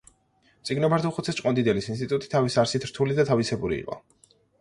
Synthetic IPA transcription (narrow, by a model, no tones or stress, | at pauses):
t̪sʼiɡnɔbaɾt̪ʰuχut̪sʰɛst͡ʃʼqʼɔnd̪id̪ɛlisinst̪ʼit̪ʼut̪ʼi̥t̪ʰavisaɾsit̪ʰɾ̥t̪ʰulid̪at̪ʰavisɛbuɾḭːqʼɔ̰